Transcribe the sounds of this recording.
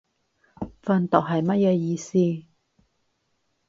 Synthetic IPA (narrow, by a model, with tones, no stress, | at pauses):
fɐ˧nt̪ɔ˨˩k̚ɦɐ˨˩jmɐ˥t̚jɛː˧jiː˧siː˥